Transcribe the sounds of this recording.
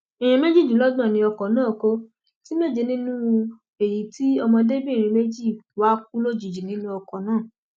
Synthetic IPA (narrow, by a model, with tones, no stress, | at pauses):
i˨j̃ɛ̃˧me˦d͡ʒi˦˨d͡ʒũ˨˦lɔ˦dã˦˨nĩ˧˦ɔ˧kɔ˨nãː˦˨ko˦ | ti˦me˦˨d͡ʒe˧nĩ˦nũ˦ | e˨ji˨ti˦ɔ˧mɔ̃˧de˦bi˦˨ɾ̃ĩ˧me˦d͡ʒi˦˨wa˦k̚u˦lo˦d͡ʒi˨d͡ʒi˨nĩ˦nũ˦ɔ˧kɔ˨nãː˦˨